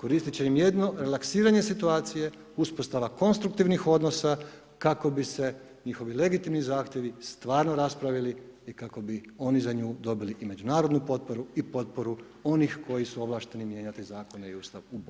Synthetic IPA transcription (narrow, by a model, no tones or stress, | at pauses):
ko̞ɾiːst̪it͡ɕeimje̞d̪no̞ɾe̞laksiːɾaɲe̞sit̪uaːt̪sije̞ | uspost̪aʋako̞nst̪ɾuk̚t̪iʋnixo̞d̪no̞sa | kako̞bise̞ | ɲixo̞ʋile̞ɡit̪imnizaːxt̪ʲje̞ʋist̪ʋaːɾnoɾaspɾaʋiliikako̞bio̞nizaɲuːd̪o̞biliʔime̞d͡ʑunaːɾo̞d̪nupo̞t̪̚po̞ɾuipo̞t̪̚po̞ɾu | o̞nixko̞jisuo̞ʋlˠaːʃt̪e̞nimje̞ːɲat̪izaːko̞neiuːst̪aʋub